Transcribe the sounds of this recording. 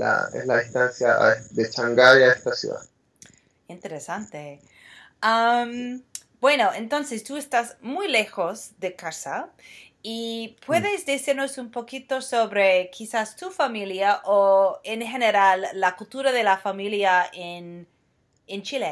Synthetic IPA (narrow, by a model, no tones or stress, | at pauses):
la̰ḛzlaðist̪ansjaa̰ðet͡ʃaŋɡajaest̪asjṵða̰ð | int̪eɾesant̪e | am | b̥we̞no̞ẽnt̪o̞nsest̪uest̪azmujle̞xo̞zðe̞kasa | ipwe̞ðezðisiɾno̞sumpo̞kit̪o̞so̞βɾe̞kʰisast̪ufamiljaʔoenxe̞neɾalːakult̪uɾaðelafamiljaen | ent͡ʃile